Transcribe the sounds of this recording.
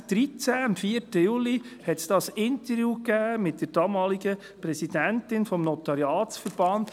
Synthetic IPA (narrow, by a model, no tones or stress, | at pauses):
d̪̥ɾit͡sæmfiətəjuːlihɛtsd̥ɑsɪntəɾjuːkæːmɪt̚d̥əɾd̥ɑːmɑːliɡə | pɾɛsid̥æntɪnfɔmnɔt̪ɑɾjɑːtsfəɾb̥ɑnd